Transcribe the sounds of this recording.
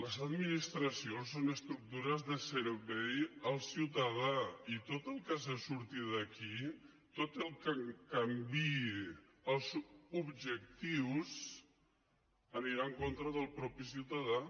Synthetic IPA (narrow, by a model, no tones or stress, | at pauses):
ləzəd̪minist̪ɾəsionsonəst̪ɾuk̚t̪uɾəzðəsəɾβɛjəlˠsiwt̪əðait̪ot̪əlˠkazəsuɾt̪iðəki | t̪ot̪əlˠkəkəmbi | əlˠzubʒək̚t̪iws | əniɾaəŋkont̪ɾəðəlˠpɾɔpisiwt̪əða